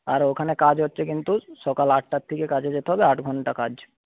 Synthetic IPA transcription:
aɾokʰanekad͡ʒɦɔtːʃʰekint̪usɔkalaʈʰʈat̪ʰːikekad͡ʒed͡ʒet̪eɦɔbeaʈʰɡʱɔɳʈakaːd͡ʒ

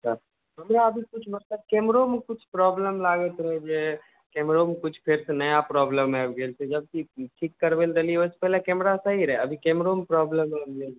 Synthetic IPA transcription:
səɾ | ɦəmɾaəbʱikut͡ʃʰbəɾsəd̪̚kemɾomekut͡ʃʰpɾɔbləmlaɡət̪ɾəɦɛd͡ʒe | kemɾomkut͡ʃʰpʰeɾsenəjapɾɔbləmɛbɡelsed͡ʒəb̚kiʈʰikːəɾbelɾelieose̥pɛɦlekɛmɾasəɦiɾəɦɛəbʱikemɾompɾɔbləməbɡel

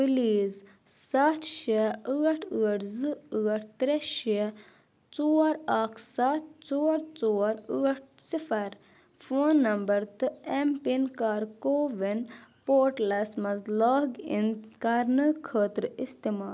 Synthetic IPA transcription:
piliːz | sɐt͡ʃʰʃɐəːʈʰəːɐʈzɨəːɐʈʰt̪ɾeʃiɐ | t͡soːɾaːkʰsat̪t͡soːɾt͡soːɾəːɐʈ̚ʰsifʰɐɾ | fʰoːnːɐmbɐɾt̪ɨempinkaːɾkoːʋinpoːʈlɐsmɐzlaːɡḭnkaɾnɨkʰəːt̪ɾɨist̪imaːl

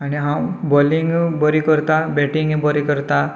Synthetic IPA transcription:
aɽ̃iɦãbɔliŋɡbɔɾikəɾt̪abɛʈiŋɡbɔɾikəɾt̪a

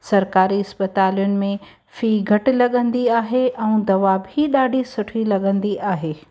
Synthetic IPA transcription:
sɐɾkaːɾiɐspət̪aːlijʊnɪ̆mẽ | fiːɡʱɐʈ̆lɐɠə̃nd̪iaːɦeʔɛ̃ũd̪ɐʋabʱiɗaːɖʱisʊʈʰilɐɠə̃nd̪iʔaːɦeː

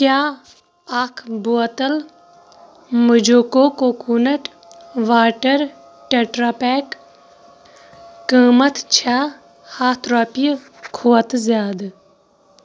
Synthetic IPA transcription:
kjaː | akʰbuɐt̪ɐl | məd͡ʒoːkoːkokuːnɐʈ | ʋaːʈəɾ | ʈeʈɾaːpɛːk | əːmɐt̪t͡ʃʰaː | haːt̪ʰɾaːpi | kʰoːət̪zjaːd̪

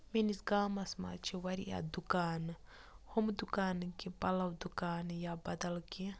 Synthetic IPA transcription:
menisɡaːmɐsma̰ːt͡ʃʰiwɐɾḭʔa̰d̪ukaːn | homd̪ukaːnkipɐlɐwd̪ukaːnjabɐd̪ɐlki

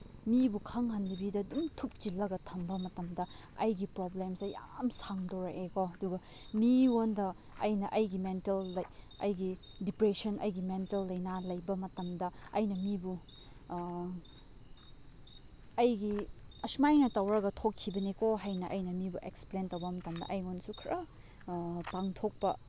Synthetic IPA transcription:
mibukʰɐŋhɐnlibidɐdumtʰuk̚t͡ʃilːɐɡɐtʰɐmbɐmɐtɐmdɐ | ɐjɡipɾoblemsɐja̰msaŋdoɾɐekoɐduɡɐ | miwondɐ | ɐjnɐʔɐjɡimentelːɐj | ɐ̰jɡi | dipɾesɐnʔɐjɡimentelːɐjnalɐjbɐmɐtɐmdɐɐjnɐmibu | ɐjɡiɐsmajnɐtɐwɾɐɡɐtʰokʰːibɐnikoɦajnɐʔɐjnɐmibuʔeksplentɐwbɐmɐtɐmdɐ̰ʔɐjonsukʰɾʔɐ | paŋtʰok̚pɐ̰

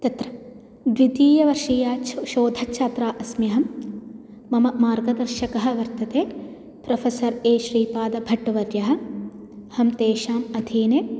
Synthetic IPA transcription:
t̪ɐt̪ɾɐ | d̪ʋit̪iːjɐʋɐɾʃiːjaːʃoːd̪ʱɐkʃʰaːt̪ɾaːʔɐsmjɐɦɐmː | ɐmɐmaːɾɡɐd̪ɐɾʃɐkɐɦɐ̆ʋɐɾt̪ɐt̪eː | pɾɐfʰɐsɐɾeːʃɾiːpaːd̪ɐbʱɐʈːɐʋɐɾjɐɦɐ̆ | hɐmt̪eːʃaːmɐd̪ʱiːneː

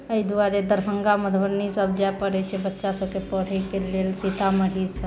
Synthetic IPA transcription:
əid̪uaɾed̪əɾbʱəŋɡaməd̪ʰʱbəɾnisəb̚d͡ʒaepəɽɛt͡ʃʰɛbətːʃasəb̚kepəɽ̤əjkelelsit̪ʰaməɽ̤isʰə

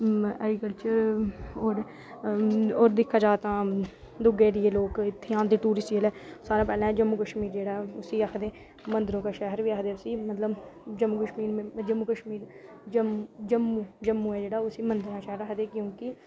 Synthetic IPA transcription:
ɛ̰ːɡiːkəlt͡ʃəɾoːɾ | oːɾd̪ɪkʰːaːd͡ʒaːt̪ãː | d̪ʊɡeːɾieːloːkɪt̪ʰːeːãːd̪eːʈuːɾɪsʈːəlɛːsaːɾãːpɛːlɛ̃d͡ʒəmːuːkəʃmiːɾd͡ʒeːɽaːʊsiːakʰd̪eː | mənd̪əɾõːkaːʃɛɦəɾʋiːaːkʰd̪eːʊsiːmət̪ləbd͡ʒəmːuːkəʃmiːɾmːd͡ʒəmːuːkəʃmiːɾ | d͡ʒəmd͡ʒəmːuːd͡ʒəmːũːɛːd͡ʒeːɽaːʊsiːmənd̪əɾõːkaʃɛɦəɾaːɦd̪eːkjõːkɪ

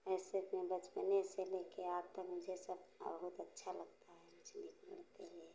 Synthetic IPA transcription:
ɛsemẽbət͡ʃməneselekeaːb̚t̪əkmʊd͡ʒʱesəb̰bəɦut̪ətːʃʰaləɡ̚t̪aɦɛmʊd͡ʒʱnikmɪ̰lt̪eɦe

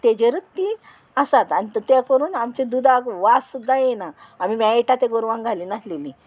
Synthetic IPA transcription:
t̪ed͡ʑeɾət̪ːiːn | asat̪anit̪t̪ekəɾuːnamt͡ɕed̪ud̪akʋassud̪ːajɛnaːmimjaeʈat̪eɡoɾʋãŋɡʱaliːnasleliː

